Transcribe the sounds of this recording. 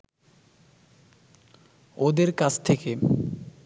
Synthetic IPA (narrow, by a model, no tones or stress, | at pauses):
od̪eɾkat͡ɕʰt̪ʰeke